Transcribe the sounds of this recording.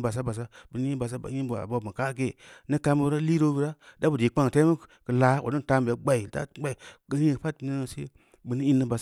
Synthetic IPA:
ba˨s̬a˦ba˨s̬a˦bɨ˨n˦ɲi˦ba˨s̬a˦a̰˨˦i˦ba̰˨bo˦˨bi˨ka˦ɡe˦˨ni˦ka˦mu˦ɾa˦li˦ɾo˦bi˦ɾa˦da˦bu˨de˨k͡pa˦ŋ˨ta˦mə˦kə˨la˨˦o̰˨di˦n˨ta˦m˨be˨˦ɡ͡ba˨i˨ta̰˦ɡ͡ba˦i˨ɡa˦ji˦i˦˨˦pa˦tni˦a˨sḛ˦ | bɨ˨ni˦i˦nːi˦ba˨s

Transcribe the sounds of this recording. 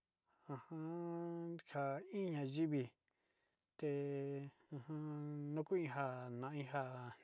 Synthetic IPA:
ã˧hã˧ | ha˧ĩ˦ɲã˧ʒi˦βi˧ | t̪e˧ | ã˧hã˧nũ˦ku˦ĩ˧ɦa˧nã˧ʔĩ˦ɦa˧˨

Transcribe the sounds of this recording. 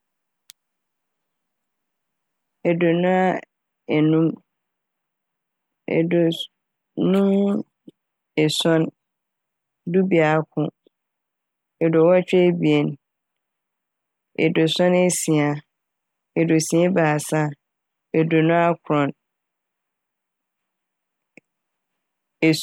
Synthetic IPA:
ɛ˨do˨nʊ̃˦a˦ | ɛ˨nũ˦m | ɛ̰˨do˨ | nũ˦m | ɛ˨sɔ̃˦n | du˦bi˨a˨˦kʰʊ̃˦˨ | ɛ˨do˨wɔ˦t͡ɕᶣɛ˦bi˨e˨n˨ | ɛ̰˨do˨sɔ̃˦ne˦sĩ˨a˨ | ɛ˨do˨sĩ˨e˦baː˨sã˦ | ɛ˨do˨nʊ̃˦a˦kʰɾɔ̃˨n | ɛ˨

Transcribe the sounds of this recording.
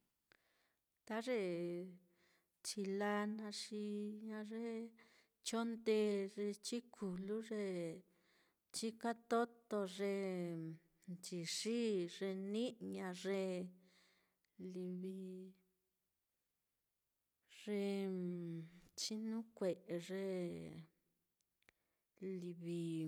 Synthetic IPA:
t̪a˦ʐe˧ | t͡ʃi˧la˧nã˧ʂi˧ɲã˧ʐe˦ | t͡ʃo˦nd̪e˧ʐe˧t͡ʃi˦kʰu˨lu˦ʐe˧ | t͡ʃi˦ka˦t̪o˦t̪o˧ʐe˧ | nt͡ʃi˨ʂi˦ʐe˧nĩ˦ʔɲã˧ʐe˧ | li˧βi˧ | ʐ̥e˧ | t͡ʃi˦nũ˦kʷe˨ʔe˧ʐe˧ | li˧βi˧

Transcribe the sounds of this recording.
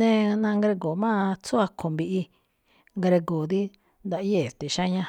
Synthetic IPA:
nẽ˦nã˧ŋɡɾe˧ɡo˨mã˦˧t͡su˦a˧kʰõ˨mbi˧ʔi˧ | ŋɡɾe˧ɡo˨ði˦ | nd̪a˧ʔi˦e˦˨t̪e˨ʃã˦ɲã˧

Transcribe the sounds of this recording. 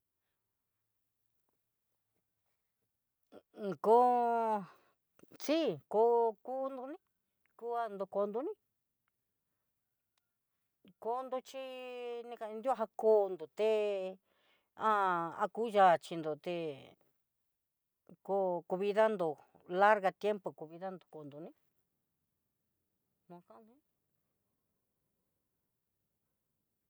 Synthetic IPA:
ko˧˦ | t͡si˦ko˧ku˦nd̪u˧nĩ˦ | ku˦a˧nd̪o˧ko˧nd̪u˧nĩ˦ | ko˧˦nd̪o˧t͡ʃi˦nĩ˧kã˧d̪u˦a˦ɦa˧ko˧nd̪o˨t̪e˧ | ã˦˧a̰˧ku˦ʒa˧˨t͡ʃi˧nd̪o˨t̪e˧ | ko˧ku˧βi˧ða˦nd̪o˧˨ | la˦ɾɣa˧t̪je˦mpo˨ku˧βi˧ða˦nd̪o˧˨ko˨nd̪u˧nĩ˦ | nũ˧kã˦nd̪u˧˦

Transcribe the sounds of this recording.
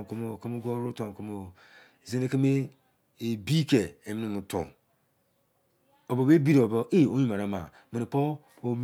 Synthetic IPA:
ko˦mo˨ke˦mu˦ɡʷo˦ɾo˦to˨ko˦mo˨ | ze˦ne˦ke˦me˦ | e˨bi˦ke˨e˨mi˦nĩ˦mũ˨to̰˨n | o˨bo˨be˦bi˦ɾo˨bo˦ʔe˦˨o˦ɲi˦ma˨ɾa˨˦ma̰˨ | mi˨i˨po˦ | o˨˦m

